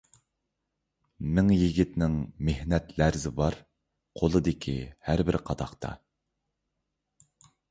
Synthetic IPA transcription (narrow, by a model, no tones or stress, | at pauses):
mɪŋjiɡʲit̪nɪŋmehnɛt̪læɾzɪbɑɾ | qʰolˠɨd̪ɪkʲʰḭhæɾbɪɾqʰɑd̪ɑqt̪ʰɑ̰